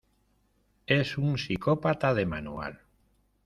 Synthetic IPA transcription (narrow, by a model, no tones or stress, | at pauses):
esunsikopat̪aðemanua̰l